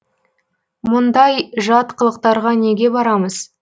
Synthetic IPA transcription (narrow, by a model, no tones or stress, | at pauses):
mʊnd̪ɑjʒɑt̪qəlˠəq̚t̪ɑɾʁɑne̞ɡʲe̞bɑɾɑməz̥